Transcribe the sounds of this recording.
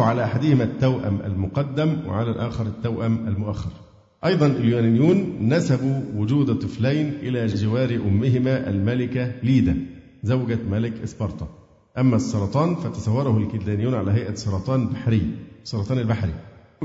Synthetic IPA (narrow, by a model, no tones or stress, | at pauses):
ʕalæʔaħad̪ɪhɪmæt̪ːæwʔæ̰mʔæ̰lmʊqɑd̪ːæmwɪ̰ʕalælʔæːxɑɾˤɪt̪ːæwʔæmælmʊʔaxːɑ̰ɾˤ | ʔɑjd̪ˤɑnɪljʊnænjuːnːæsæbuwʊd͡ʒuːd̪t̪ˤːɨflæjnʔɪlæːd͡ʒɪwæːɾʔʊmːɪɦɪmæːʔæ̰lmælɪkæliːd̪æ | zæwɡæmælɪkʔɪsbɑɾˤt̪ˤɑ | ʔæmːæsˤːɑɾˤɑt̪ˤɑːnfæt̪ɑsˤɑwːɑɾˤɑhʊlkɪt̪d̪æːnɪjːuːnʕalæɦajʔæsˤːɑɾˤɑt̪ˤɑːnlbaħɾɪjːsˤːɑɾɑt̪ˤɑːnɪlbaħɾḭ